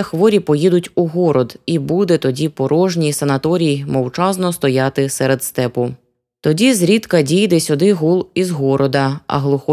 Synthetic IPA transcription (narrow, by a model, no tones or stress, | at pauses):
ɐxʋɔɾʲipɔjid̪ʊtʲuɦɔɾɔd̪ibud̪ɛt̪ɔdʲipɔɾʔɔʒnʲijsɐnɐt̪ɔɾʲijimɔwt͡ʃɑznɔst̪ɔjɑt̪ɪsɛɾed̪st̪ɛpʊ | t̪ɔdʲizɾʲit̪kɐdʲijd̪ɛsʲʊd̪ɪɦulˠizɦɔɾɔd̪ɐɐ̰ɦlˠʊxɔ